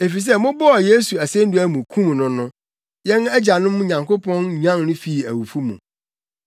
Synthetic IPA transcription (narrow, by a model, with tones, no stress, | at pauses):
e˨fi˨s̬ɛ˦mʊ̃˦bɔ˦ɔ˨je˦su˨æ˨sẽ˦n̩˦du˦æ˦mũ˨kʰũ˦m̃˨nʊ̃˦nʊ̃˦ | jɛ̃˦nɛ˦d͡ʑa˨nʊ̃˦m̃˦ɲã˨ŋko˦pɔ̃˦nɲᶣ˦ã˦nnʊ̃˦fi˦˨æ̰˨wu˨fu˦mṵ̃˨